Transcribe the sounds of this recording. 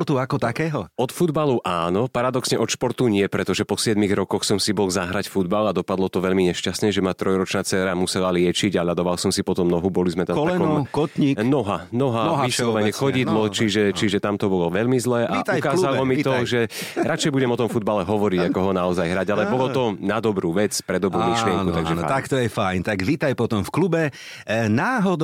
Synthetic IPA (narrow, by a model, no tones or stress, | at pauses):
t̪uakɔt̪akɛːɦɔɔt̪fud̪baluʔaːnɔpaɾad̪ɔksɲɛʔɔt̪ʃpɔɾt̪uɲɪɛpɾɛt̪ɔʒɛpɔsɪɛd̪miɣɾɔkɔxsɔmsibɔlˠzaɦɾacfud̪balad̪ɔpad̪lɔt̪ɔʋɛʎmiɲɛʃcasɲɛʒɛmat̪ɾɔjɾɔt͡ʃnat͡sɛːɾamusɛlalɪɛt͡ʃiɟaʎad̪ɔʋalˠsɔmsipɔt̪ɔmnɔɦubɔlizmɛt̪amkɔt̪ɲinɔɦanɔɦaʋislˠɔʋɛɲɛxɔɟid̪lɔt͡ʃiʒɛt͡ʃiʒɛt̪amt̪ɔbɔlɔʋɛʎmizlɛːʔait̪aukaːzalɔmit̪ɔʒɛɾat͡ʃɛjbuɟɛmɔt̪ɔmfud̪̚balɛɦɔʋɔɾiɟakɔɦɔnaɔzajɦɾaɟalɛpɔlɔt̪ɔnad̪ɔbɾuːʋɛt͡spɾɛd̪ɔbɾuːmiʃlɪɛŋkut̪aɡʒɛt̪akt̪ɔjɛfajnt̪aɡʋit̪ajpɔt̪ɔmfklubɛ | naːɦɔd̪